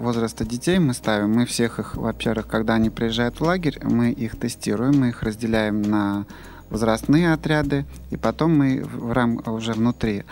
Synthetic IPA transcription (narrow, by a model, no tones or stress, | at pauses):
vo̞zɾəst̪ədʲɪtʲejmɨst̪avʲɪmːɨfsʲe̞xɨxvɐpʲervɨxkɐɡd̪aɐnʲipɾʲɪjɪʐːajʊt̪vlˠaɡʲɪɾʲmɨʔixt̪ɨsʲtʲiɾʊjɪmːɨixrəzʲdʲɪlʲæjɪmnə | vəzɾɐst̪nɨjəɐt̪ɾʲad̪ɨ | ipɐt̪o̞mːɨvramʊʐɛvnʊt̪ɾʲi